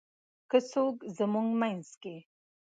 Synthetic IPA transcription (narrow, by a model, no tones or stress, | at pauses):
kəsokzəmuŋɡmajnske